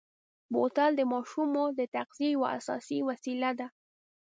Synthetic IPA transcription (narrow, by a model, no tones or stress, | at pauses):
bot̪ald̪əmɑʃumod̪ət̪aqziejwa̰a̰sɑ̰siwasilad̪a